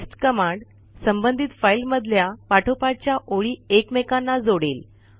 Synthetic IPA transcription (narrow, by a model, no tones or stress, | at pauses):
sʈkəmãɳɖ | səmbənd̪ʱit̪failməd̪ʱljapaʈʰopaʈ̚t͡ɕjaʔoɭiːekmekanːad͡zoɽel